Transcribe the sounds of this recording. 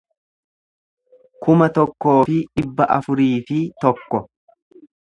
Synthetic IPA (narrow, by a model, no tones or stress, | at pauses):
kʊmɐt̪ɔkːo̞ːfɪᶑɪbːɐʔɐfʊɾiːfɪt̪ɔkːɔ